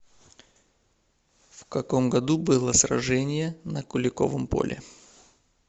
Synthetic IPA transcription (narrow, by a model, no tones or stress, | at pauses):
fkɐko̞mɡɐd̪ubɨlˠəsrɐ̰ʐɛnʲɪjənəkʊlʲɪko̞̰vəmpo̞̰lʲʔɪ̰